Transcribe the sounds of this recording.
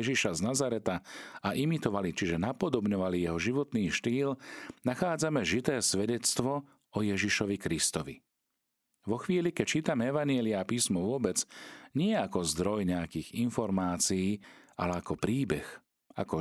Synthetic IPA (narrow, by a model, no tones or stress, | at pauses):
ɛʒiʃaznazaɾɛt̪aaʔimit̪ɔʋalit͡ʃiʒɛnapɔd̪ɔbɲɔʋalijɛɦɔʒiʋɔt̪niːʃt̪iːlnaxaːd͡zamɛʒit̪ɛːsʋɛɟɛt͡st̪ʋɔ | ɔjɛʒiʃɔʋikɾist̪ɔʋḭ | ʋɔxʋiːlikɛc̚t͡ʃiːt̪amɛɛʋaɲɪɛliapiːsmɔʋʊɔbɛd͡zɲɪɛakɔzd̪ɾɔjɲɛakiːɣinfɔɾmaːt͡siiːa̰lɛakɔpɾiːbɛx | a̰kɔ